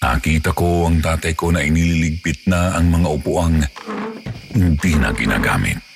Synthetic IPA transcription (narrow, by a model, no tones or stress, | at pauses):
na̰kiːt̪ɐkoaŋt̪aːt̪ɐjko̞nɐʔɪnililɪɡ̚pɪt̪̚naɐŋmɐŋaʔʊpuʔaŋ | hɪnd̪inɐ̰ɡɪna̰ːɡa̰ːmɪ̰t̪̚